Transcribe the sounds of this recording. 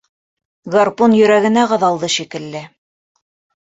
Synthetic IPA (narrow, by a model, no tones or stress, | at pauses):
ɡɐrponjɵ̆ɾæɡɘ̆næʁɤ̆ðɑlˠd̪ɤʃikɘ̆lːɘ